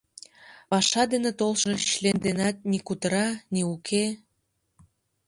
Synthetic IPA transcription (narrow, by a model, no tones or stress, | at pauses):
pɑʃɑd̪enet̪olʃoɕlend̪enɑt̪̚nikut̪əɾɑniukʰe